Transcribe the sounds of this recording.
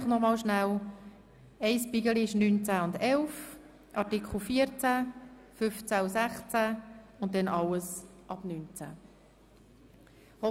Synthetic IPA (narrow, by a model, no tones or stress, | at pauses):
χnɔmɑːlʃnæl | ɛɪspiɡəliɪʃnyːnt͡sæʊndɛlf | ʔɑtikʰl̩fiːəɾt͡sæ | fʏft͡sæusæχt͡sæʊnt̚dɛnɑləsʔɑb̥nyːnt͡sæ̰ | hɔ